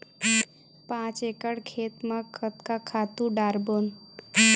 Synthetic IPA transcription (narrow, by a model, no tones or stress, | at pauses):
pãt͡ʃekəɽkʰet̪məkʰət̪kakʰat̪ũɖaɾbon